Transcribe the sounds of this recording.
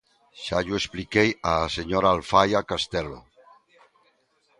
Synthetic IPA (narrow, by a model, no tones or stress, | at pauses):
ʃaʎuesplikejaseɲoɾaːlfajakast̪ɛlo̰